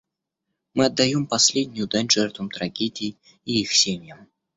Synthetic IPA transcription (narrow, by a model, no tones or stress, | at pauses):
mɨɐd̪ːɐjompɐsʲlʲedʲnʲʊjʊd̪anʲʐɛrt̪vəmt̪ɾɐɡʲedʲɪj | iixsʲemʲjəm